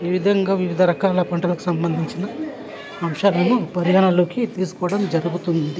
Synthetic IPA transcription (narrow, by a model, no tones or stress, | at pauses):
ʋiʋid̪ʱɐŋɡaːʋiʋid̪ʱɐɾɐkaːlɐpɐɳʈɐlɐku̥sɐmbɐnd̪ʱiɲt͡ʃinɐː | mʃaːlɐnupɐɾjaːnɐloːkit̪iːs̬u̥kɔːɐɽɐmd͡ʒɐɾuɡut̪und̪i